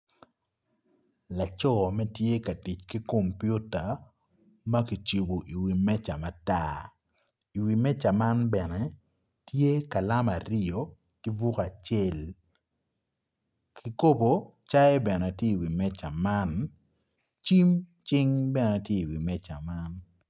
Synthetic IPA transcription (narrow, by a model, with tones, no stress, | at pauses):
la˨t͡ʃɔ˦˨mɛ˦tje˦ka˨ti˨t͡ʃki˦ko˨mpju˦ta˨ | ma˦ki˨t͡ʃi˨bo˨ʔi˨wi˨mɛ˦t͡ʃa˨ma˨ta˦ | i˨wi˨mɛ˦t͡ʃa˨ma˦nbɛ˨nɛ˨ | tje˦ka˨la˦ma˨ɾɪo˨ | ki˦vu˦ka˨t͡ʃɛ˦˨l | kʰi˨ko˦bo˨ | t͡ʃa˦ɛ˦bɛ˨nɛ˨tje˦i˨wi˨mɛ˦t͡ʃa˨ma˦n | t͡ʃi˦mt͡ʃɪ˦ŋbɛ˨nɛ˨tje˦i˨wi˨mɛ˦t͡ʃa˨ma˦n